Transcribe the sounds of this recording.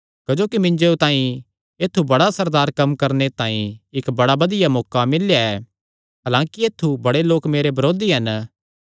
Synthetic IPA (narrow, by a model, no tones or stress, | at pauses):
kɐd͡ʒoːkimɪ̃ɲd͡ʒeũt̪ãːĩ | eːt̪ʰːubɐɽasɐɾd̪aːɾkɐmkɐɾnet̪ãːĩɪkbɐɽabɐd̪ɪjamɔːkamɪljaɛː | ɦaːlãːkieːt̪ʰːubɐɽeloːkmeːɾebɐɾoːd̪iɦɐn